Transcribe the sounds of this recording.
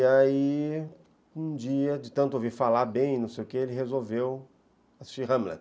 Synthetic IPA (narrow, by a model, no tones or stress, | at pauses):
ai | ũd͡ʒiɐd͡ʒɪt̪ɐ̃nt̪ʊovifalabẽj̃nɐ̃w̃sejʊkeelɪɦezowvew | asi̥st͡ʃiɦɐ̃mlɛ̰t̪